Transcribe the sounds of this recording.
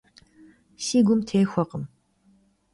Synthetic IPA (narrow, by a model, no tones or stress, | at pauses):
siːɡʷʊmtʰeːxʷɔqəm